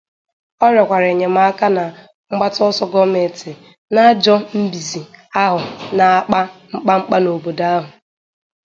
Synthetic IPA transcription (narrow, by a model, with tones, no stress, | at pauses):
ɔ˦ɾɔ˨kʷa˨ɾe˨ɲe˨m̩˦a˦a˦ka˦na˨ | ŋ͡m̩˦ɡ͡ba˦tɔ˦sɔ˦ɡɔ˦me˨tɪ˨ | na˦d͡ʒɔ˦m̩˦bi˨zi˨a˦ɦʊ˨na˨a˦k͡pa˦ŋ͡m̩˦k͡pa˦ŋ͡m̩˦k͡pa˦no˨bo˨da˦a˦ɦʊ˨